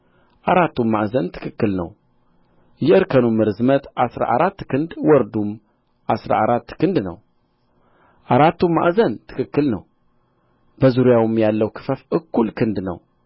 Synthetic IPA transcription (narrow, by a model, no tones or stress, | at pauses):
ʔaɾat̪ːumːaʔzənt̪ʰɨ̥kʰɨkːɨlnə̰w | jɛɨɾkʰənumːɨɾɨzmət̪ʔasɾa̰ʔaɾat̪ːkʰɨnd̪wɔɾd̪um | ʔasɾa̰aɾat̪ːkʰɨnd̪nə̰w | ʔaɾat̪ːumːa̰ʔzənt̪ʰɨ̥kɨkːɨlnəw | bəzuɾijawɨmjalːəwkʰɨ̥fəfʔɨkːulkʰɨnd̪nə̰w